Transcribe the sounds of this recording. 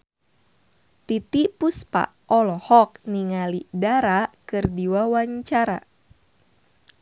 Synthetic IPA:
t̪it̪ipuspa̰ | ʔɔlɔhɔk̚niŋalidaɾakɨrdiwawaɲt͡ʃaɾa̰

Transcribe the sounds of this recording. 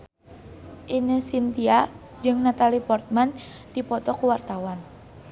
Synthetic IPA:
ʔinəsint̪ia | d͡ʒɨŋnat̪alipɔrt̪̚mand̥ipɔt̪ɔkuwart̪awan

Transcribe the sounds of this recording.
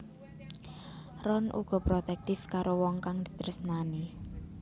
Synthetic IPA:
rɔnʔṵɡ̥ɔ̤pɾot̪ɛk̚t̪ɪfkaɾowɔŋkaŋd̪̥i̤̥t̪əɾəsnani

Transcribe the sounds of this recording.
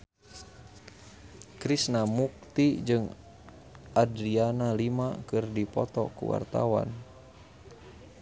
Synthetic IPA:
kɾisnamuk̚t̪id͡ʒɨŋ | ʔadɾianalimakɨrdipɔt̪ɔkṵwa̰rt̪a̰wa̰n

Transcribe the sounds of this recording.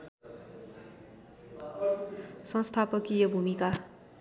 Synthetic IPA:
sʌ̃nst̪ʰapʌkijʌbʱumika

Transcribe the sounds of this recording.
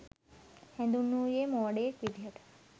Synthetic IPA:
hɛ̃nd̪unujemɔɖekʋid̪ʱjəʈʰ

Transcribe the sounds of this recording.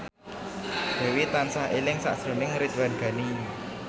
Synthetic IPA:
d̪̥e̤wit̪ansaɦelɪŋsa̰ʔsɾunɪŋɾit̪̚wanɡ̥a̤ni

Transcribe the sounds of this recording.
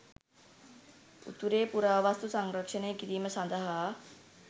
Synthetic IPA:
ṵt̪uɾeːpuɾaːʋast̪usaŋɾəkʂənejəkiɾiːməsand̪əɦaː

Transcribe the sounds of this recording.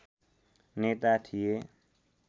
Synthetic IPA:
net̪at̪ʰije

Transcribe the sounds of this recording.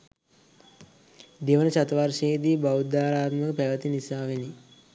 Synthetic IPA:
d̪eʋənəsat̪ʋaɾʃeːd̪iːbawud̪aːɾaːt̪məkəpæʋət̪inisaːʋeni

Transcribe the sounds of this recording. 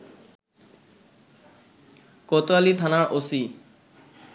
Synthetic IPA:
kɔt̪oalit̪ʰanaɾʔosi

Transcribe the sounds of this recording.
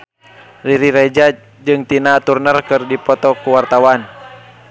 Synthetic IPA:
riɾiɾɛd͡ʒa | d͡ʒɨŋt̪inaːt̪urnərkɨrdipɔt̪ɔkuwart̪awan

